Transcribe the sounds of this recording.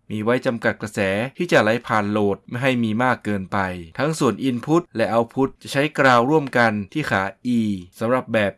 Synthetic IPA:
miː˧wa˦˥jt͡ɕa˧mka˨˩t̪̚kɾa˧sɛː˩˦t̪ʰiː˥˩t͡ɕa˨˩la˨˦˥jpʰaː˨˩nloː˨˩t̪̚ma˥jɦa˥˩jmiː˧maː˥˩kːɤː˧npa˧jt̪ʰa˦˥ŋsu˨˩ənʔi˧npʰu˦˥t̪̚lɛ˦˥ʔa˧wpʰu˦˥t̪̚t͡ɕa˨˩t͡ɕʰa˦˥jkɾaː˧wɾu˥˩əmka˧nt̪ʰiː˥˩xʰaː˩˦ʔiː˧sa˨˦mɾa˨˩p̚bɛː˨˩p̚

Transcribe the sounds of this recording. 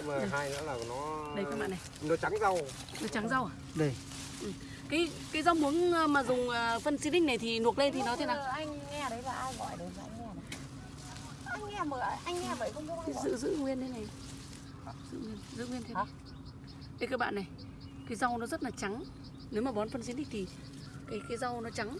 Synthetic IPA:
maː˨ɗɦaː˧jza̰ː˧˥laː˨˩˨nɔ˨˦ɗə˧jkaː˨˦˥ɓa̰ː˧˨nːa˨˩jnɔ˨˦t͡ɕa˨˦ŋza˧w | nɔ˨˦t͡ɕa˨˦ŋza˧wʔa˨˩ | ɗə˧˩ | ʔɨ˨˩ | kaː˨˦j | kaː˨˦jza˧wmu˨˦əŋː˧maː˨˩zʊ˨˩ŋ͡məː˨˩fə˧nsi˧˥ɗḭ̈˥ŋ̟na˨˩jt̪ʰi˨˩nu˨˩ət̚le˧nt̪ʰi˨˩nɔ˨˦t̪ʰe˨˦naː˨˩ʔa˧jŋ̟ŋɛ˧˨ɗə˨˦jlaː˨˩ʔaː˧jɣɔ̰˧˨jɗə˨˦za̰ː˧ŋɛ˧˨˦ | ʔa˧jŋŋɛ˧məː˧˨˩ʔa˧jŋ̟ŋɛ˧ɓə̰ː˧˨jkə˧˦ŋ͡mzɨ̰˧˨zɨ̰˧˨ŋwi˧ənʰe˨˦na˨j | zɨ̰˧˥ŋwi˧ənzɨ̰˧˥ŋwi˧ənt̪ʰ | kə˨˦kaː˨˦jɓa̰ː˧˨nːa˨˩j | kaː˨˦jza˧wnɔ˨˦zə˦˥t̚laː˨˩t͡ɕa˨˦ŋ | ne˨˦wmaː˨˩ɓɔ˨˦nfə˧nsi˧˥nɗï˦ŋ̟t̪ʰi˨˩ | kaː˨˦jkaː˨˦jza˧wnɔ˨˦t͡ɕa˨˦ŋ

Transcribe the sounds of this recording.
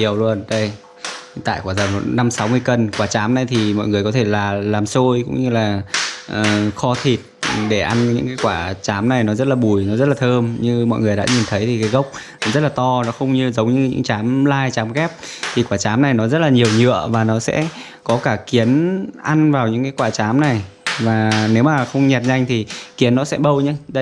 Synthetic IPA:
i˨˩əwlu˧ənɗə˧j | t̪a̰ː˧˨jkwaː˧˩zə˨˩wna˧msa˨˦wmɨ˧əjkə˨˩nkwaː˧˩t͡ɕaː˨˦mna˨˩jt̪ʰi˨˩mɔ̰˧˨jŋɨ˨˩əjkɔ˨˦t̪ʰe˧˩laː˨˩laː˨˩mso˧jkʊ̰˧˥ŋ͡mɲɨ˧laː˨˩ʔəː˨˩xɔ˧t̪ʰi˨˩t̚ɗe˧˩ʔa˧nɲɨ̰˧˥ŋkaː˨˦jkwaː˧˩t͡ɕaː˨˦mna˨˩jnɔ˨˦zə˦˥t̚laː˨ɓu˧˩jnɔ˨˦zə˦˥t̚laː˨˩t̪ʰəː˧mɲɨ˧mɔ̰˧˨jŋɨ˨˩əjɗa̰ː˧˥ɲi˨˩nt̪ʰə˨˦jt̪ʰi˨˩kaː˨˦jɣə˦˥wk͡p̚ | zə˦˥t̚laː˨˩t̪ɔ˧nɔ˨˦xə˧wŋ͡mɲɨ˧zə˨˦wŋ͡mɲɨ˧ɲɨ̰˧˥ŋt͡ɕaː˨˦mlaː˧jt͡ɕaː˨˦mɣɛ˦˥p̚t̪ʰi˨˩kwaː˧˩t͡ɕaː˨˦mna˨˩jnɔ˨˦zə˦˥t̚laː˨˩ɲi˨˩əwɲɨ̰˧˨əvaː˨˩nɔ˨˦sɛ̰˧˥ | kɔ˨˦kaː˧˩ki˨˦ənʔa˧nvaː˨˩wɲɨ̰˧˥ŋkaː˨˦jkwaː˧˩t͡ɕaː˨˦mna˨˩j | vaː˨˩ne˨˦wmaː˨˩xə˧wŋ͡mɲɛ˨˩t̚ɲa˧jŋ̟t̪ʰi˨˩ki˨˦ənːɔ˨˦sɛ̰˧˥ɓə˧wɲɨ˧ɗ

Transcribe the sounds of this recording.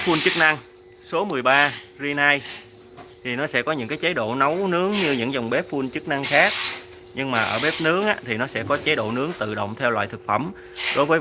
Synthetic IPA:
fu˧nt͡ɕɨ˦˥k̚na˧ŋ | so˨˦mɨ˨˩əjɓaː˧zi˧naː˧j | t̪ʰi˨˩nɔ˨˦sɛ̰˧˥kɔ˨˦ɲɨ̰˧˥ŋkaː˨˦jt͡ɕə˨˦jɗo̰˧˨nə˨˦wnɨ˨˦əŋɲɨ˧ɲɨ̰˧˥ŋza˨˩wŋ͡mɓe˦˥p̚fu˧nt͡ɕɨ˦˥k̚na˧ŋxaː˦˥k̚ | ɲɨ˧ŋmaː˨˩ʔəː˧˩ɓe˦˥p̚nɨ˨˦əŋʔaː˧˥t̪ʰi˨˩nɔ˨˦sɛ̰˧˥kɔ˨˦t͡ɕə˨˦jɗo̰˧˨nɨ˨˦əŋt̪ɨ̰˧˨ɗə̰˧˨wŋ͡mt̪ʰɛ˧wlwa̰ː˧˨jt̪ɨ˨˩k̚fə˧˩m | ɗo˨˦jvəː˨˦j

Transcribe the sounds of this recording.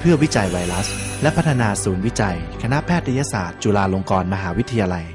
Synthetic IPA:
pʰɯ˥˩ɐwi˦˥t͡ɕa˧jwa˧jla˦˥slɛ˦˥pʰa˦˥t̪ʰːa˧naː˧suː˩˦nwi˦˥t͡ɕa˧jkʰa˧na˦˥pʰɛː˥˩t̪ɾʰa˧jaː˧˥sa̰ː˨˩t̪̚t͡ɕu˧˩laː˧lo˧ŋkɔː˧nma˧ɦaː˩˦wi˦˥t̪ʰːa˧jaː˧la˧j

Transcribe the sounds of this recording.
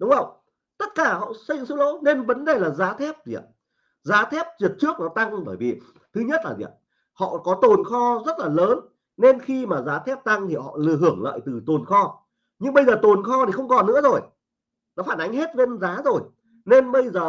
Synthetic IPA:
ɗʊ˨˦ŋ͡mvə˧wŋ͡m | t̪ə˦˥t̚kaː˧˩hɔ̰˧˨sə˧jzɨ̰˧˥ŋsɨ˧˦˥wlo̰˧˦ne˧nvə˨˦nɗe˨˩laː˨˩zaː˨˦t̪ʰɛ˦˥p̚zḭ˨˩ə˨ | zaː˨˦t̪ʰɛ˦˥p̚t͡ɕi˨˩ət̚t͡ɕɨ˦˥ək̚nɔ˨˦t̪a˧ŋɓəː˧˩jvi˨˩ | t̪ʰɨ˨˦ɲə˦˥t̚laː˨˩zḭ˧˩ə˨˩ | hɔ̰˧˨kɔ˨˦t̪o˨˩nxɔ˧zə˦˥t̚laː˨˩ləː˨˦n | ne˧nxi˧maː˨˩zaː˨˦t̪ʰɛ˦˥p̚t̪a˧ŋt̪ʰi˨˩hɔ̰˧˨lɨ˧˩əɦɨ˧˩əŋlə̰ː˧˨jt̪ɨ˨˩t̪o˨˩nxɔ˧ | ɲɨ˧ŋɓə˧jzəː˨˩t̪o˨˩nxɔ˧t̪ʰi˨˩xə˧wŋ͡mkɔ˨˩nːɨ̰˧˥əzo˨˩j | nɔ˨˦faː˧˩nʔa˨˦jŋ̟he˦˥t̚ve˧nzaː˨˦zo˨˩j | ne˧nɓə˧jzəː˨˩

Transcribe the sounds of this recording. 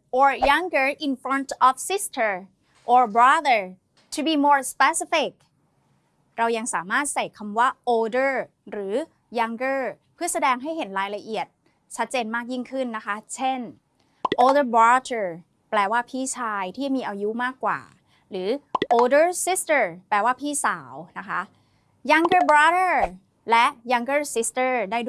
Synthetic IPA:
ʔɔː˨˩ɹja˦˥ŋɡə˧ʔi˧nfɾɔ˦˥nt̪ʔɔ˨˩fsi˦˥st̪ʰə˧˩ | ʔɔː˨˩bɾa˦˥ðə˧˩ | t̪ʰu˧biː˧moː˧˥ɹspe˧˦˥si˦˥fi˨˩k̚ | ɾa˧wja˧ŋsa̰ː˩˦maː˥˩t̪̚sa˨˩jkʰa˧mwaː˦˥˩ʔoː˧dɤ˥˩ | ɾɯː˩˦ | ja˧˥ŋɡɤː˥˩pʰɯ˥˩ɐsa˧dɛː˧ŋɦa˥˩jɦe˩˦nɾaː˧jla˧ʔi˨˩ət̪̚ | t͡ɕʰa˦˥t̪̚t͡ɕeː˧nmaː˥˩k̚ji˥˩ŋkʰɯ˥˩nːa˦˥kʰa˦˥t͡ɕʰe˥˩n | ʔoː˧də˥˩ba˦˥d̪ə˥˩ | plɛː˧waː˥˩pʰiː˥˩t͡ɕʰaː˧jt̪ʰiː˥˩miː˧ʔa˧ju˦˥maː˥˩kːwa̰ː˨˩ | ɾɯː˩˦ʔoː˧dɤː˥˩si˦˥st̪ə˥˩plɛː˧waː˥˩pʰiː˥˩sa̰ː˩˦wna˦˥kʰa̰˦˥ | ja˧ŋɡə˥˩bɾa˦˥də˥˩ | lɛ˦˥ʔja˧ŋɡɤː˥˩si˦˥st̪ɤː˥˩daː˥˩jd

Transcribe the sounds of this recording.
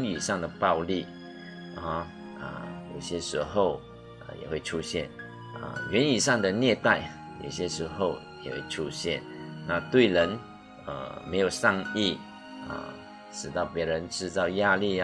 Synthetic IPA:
ny˨˩ʂɑ˥˩ŋd̪ə˩pɑ˥˧ʊli˥˩˥ | ə̰˩jo˨˩ʊɕjɛ˥ʂɻ̩˧˥xo˥˩ʊ | ə̰˧jɛ̰˨˩xwe˥˩ɪʈ͡ʂʰu˥ɕjɛ˥˩n | ə̰˧˩ɥɛ˧˦˥ny˨˩ʂɑ˥˩ŋd̪ə˨njɛ˥˧t̪a˥˩ɪ | jo̰˨˩ʊɕjɛ˥ʂɻ̩˧˥xo˥˨ʊjɛ̰˨˩xwḛ˥˩ɪʈ͡ʂʰu˥ɕjɛ˥˨nna˥˧t̪we˥˩ɪɻə˧˥n | ə̰˨˩me˧˥ɪjo˨˩ʊʂɑ˥˧ŋi˥˩ | ə̰˨˩ | ʂɻ̩˨˩t̪ɑ˥˩ʊpjɛ˧˥ɻə˧˦nʈ͡ʂɻ̩˥˧t͡sɑ˥˧ʊja˥˧li˥˧

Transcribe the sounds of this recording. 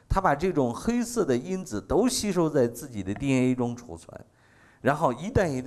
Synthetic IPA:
t̪ʰa˥pa˨˩ʈ͡ʂɤ˥˩ʈ͡ʂʊ˨˩ŋxe˥ɪsɤ˥˩d̪ə˩i˥nd͡zɹ̩˨˩t̪o˥ʊɕi˥ʂ̬o˥˧ʊt͡sa˥˧ɪt͡sɹ̩˥˩t͡ɕi˨˩d̪ə˦t̪jɛ˥˩e˥ɪʈ͡ʂʊ˥ŋʈ͡ʂʰṵ˨˩t͡sʰwa̰˧˥n | ɻa˧˥nxo˥˩ʊi˧˥t̪a˥˩ni˧˥t̪

